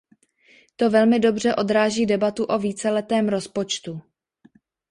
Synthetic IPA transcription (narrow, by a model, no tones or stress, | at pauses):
t̪o̞vɛlmɪdo̞br̝ɛʔo̞d̪ɾaːʒiːdɛbat̪uʔo̞viːt͡sɛlɛt̪ɛːmɾo̞spot͡ʃt̪u